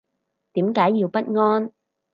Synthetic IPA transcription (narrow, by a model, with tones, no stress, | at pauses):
t̪iː˨˥mkaː˨˥jːiː˧wpɐ˦˥t̚ŋɔː˥n